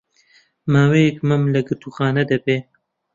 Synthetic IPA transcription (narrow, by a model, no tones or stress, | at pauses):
maːwejkmɐmlɐɡɨt̪ʰuxɑːnɐd̪ɐbeː